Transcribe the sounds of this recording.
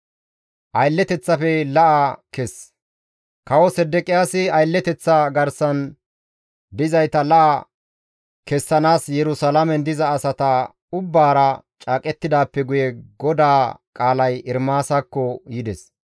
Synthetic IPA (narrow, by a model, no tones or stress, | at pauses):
ʔɐjlːɛt̪ɛt͡sːɐfɛlɐʔɐkɛs | kɐwɔsɛd̪ːɛkʼɪjaːsɪɐjlːɛt̪ɛt͡sːɐɡɐɾsɐn | d̪ɪzɐjt̪ɐlɐʔɐ | kɛsːɐnaːsjɛɾʊsɐlɐmɛnd̪ɪzɐːsɐt̪ɐ | ʊbːaːɾɐt͡ʃʼaːkʼɛt̪ːɪd̪aːpːɛɡʊjɛɡɔd̪aːkʼaːlɐjɪɾmaːsɐkːɔjɪd̪ɛs